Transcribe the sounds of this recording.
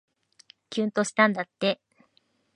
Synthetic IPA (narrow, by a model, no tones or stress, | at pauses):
kʲɨ̃ːnt̪o̞ɕi̥t̪ãnd̪at̪ːe̞